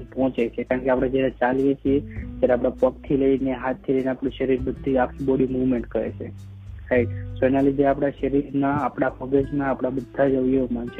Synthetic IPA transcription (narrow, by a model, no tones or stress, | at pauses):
pɦɔ̃t͡ʃet͡ʃʰekaɾəɳkeapɽ̃ed͡ʒjaɾet͡ʃalijet͡ʃʰiet̪jaɾeapɽapək̚t̪ʰiləineɦat̪ʰːiləineapɽũʃəɾiɾbəd̪ʱːiakʰiboɽimuʋmẽɳʈkəɾḛt͡ʃʰḛ | ɾajʈsoɛnalid̪ʱeapɽ̃aʃəɾiɾnaːpɽ̃aməɡəd͡ʒmãapɽ̃abəd̪ʱːad͡ʒəʋjemant͡ʃʰe